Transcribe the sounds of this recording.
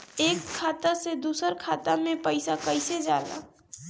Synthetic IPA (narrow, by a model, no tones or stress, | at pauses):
eːkʰːaːt̪ased̪uːsəɾkʰaːt̪amẽpəɪsakəɪsed͡ʒaːd̪a̰